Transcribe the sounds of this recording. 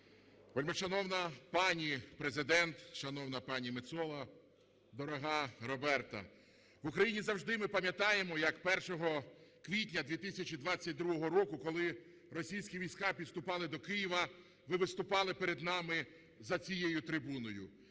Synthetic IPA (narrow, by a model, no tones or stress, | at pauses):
ʋɔlʲmeʃɐnɔwnɐpɑnʲipɾezɪd̪ɛnt̪ʃɐnɔwnɐpɑnʲimɪt̪sɔlˠɐ | d̪ɔɾɔɦɑɾɔbɛrt̪ɐ̰ | ʋʊkɾɐjinʲizɐwʒd̪ɪmɪpɐmʲjɐt̪ɑjemɔjɐkpɛrʃɔɦɔkʋʲit̬ʲnʲɐd̪ʋʲit̪ɪsʲɐt͡ʃʲid̪ʋɑt͡sʲːɐt̚ʲd̪ɾuɦɔɦɔɾɔkʊkɔlˠɪ | rɔsʲijsʲkʲiʋʲijsʲkɑpʲid̪st̪ʊpɑlˠɪd̪ɔkɪjiʋɐ | ʋɪʋɪst̪ʊpɑlˠɪpeɾed̪nɑmɪ | zɐt͡sʲijejʊt̪ɾɪbunɔjʊ